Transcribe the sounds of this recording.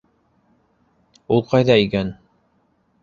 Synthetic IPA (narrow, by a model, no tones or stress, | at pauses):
ulˠqɑjðɑikæn